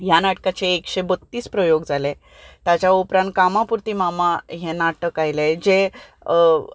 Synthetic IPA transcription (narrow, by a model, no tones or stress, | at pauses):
ɦjanaʈkat͡seːkɕebət̪ːiːspɾəjoɡd͡zale | t̪jat͡ɕjaupɾãn̚kamapuɾt̪iːmamaɦẽnaʈəkajled͡ʑe